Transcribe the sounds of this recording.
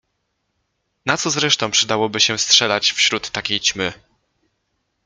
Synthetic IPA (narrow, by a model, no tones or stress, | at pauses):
nat̪sɔzɾɛʂt̪ɔ̃w̃pʂɘd̪awɔbɘɕɛstʂɛlat͡ɕfɕɾut̪ːakʲejt͡ɕmɘ